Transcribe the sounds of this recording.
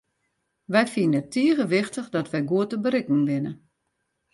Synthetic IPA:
ʋɛjfinətʰːiəɣəʋɪxtəxdɔtʋɛjɡuətəbəɾɪkŋ̩ʋɪnə

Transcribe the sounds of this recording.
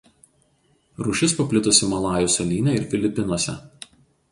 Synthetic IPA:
ɾʊʃʲɪspɐpʲlʲɪt̪ʊsʲɪmɐlˠɑːjʊsɐlʲiːnʲɛˑɪɾfʲɪlʲɪpʲɪnuɔsʲɛ̰

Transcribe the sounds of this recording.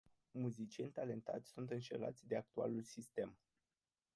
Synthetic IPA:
muzit͡ʃie̞nʲt̪ale̞nt̪at̪sʲsunt̪ɨnʃḛla̰t̪sʲd̪e̞ak̚t̪ua̰lulsist̪e̞m

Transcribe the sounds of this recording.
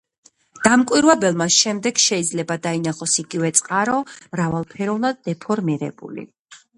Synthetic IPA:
d̪̥amkʼwiɾwɛbɛlˠmasʃɛmd̪ɛɡ̥ʃɛid̪zlɛbad̪ainaχɔsiɡivɛt̪sʼqʼaɾɔmɾavalˠpʰɛɾɔvnad̪̚ːɛpʰɔɾmiɾɛ̰bṵlḭ

